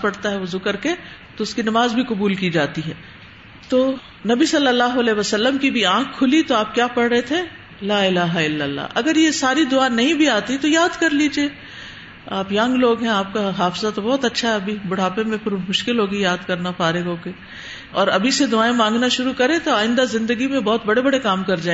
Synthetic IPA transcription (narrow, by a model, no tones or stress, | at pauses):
pɐɽt̪aɦɛʋozʊkɐɾke | t̪oʊskinɐmaːzbʱikʊbuːlkid͡ʒaːt̪iɦɛː | t̪oː | nɐbisɐlːəlːaːɦoɐlɛːʋasɐlːəmkibʱiãːkʰːʊlit̪oaːp̚kjaːpɐɽɾəɦet̪ʰe | laːɪlaːɦaɪlːəlːa̰ːʔɐɡəɾjesaːɾid̪ʊaːnɐɦĩbʱiaːt̪it̪ojaːd̪kɐɾliːd͡ʒie | aːpjɐ̃ŋɡloːɡɦɛ̃aːp̚kaɦaːfzat̪obɔːt̪ɐtːʃʰaɦɛɐbʱibʊɽ̤aːpẽmẽpʰɪɾmʊʃkɪlɦoːɡijaːd̪kɐɾnapaːɾẽɡõke | ɔːɾɐbʱised̪ʊaːẽmãːŋɡnaʃʊɾukɐɾẽt̪oaːɪ̃nd̪azɪ̃nd̪əɡimẽbɔːt̪bɐɽebɐɽekaːmkɐɾd͡ʒaːẽ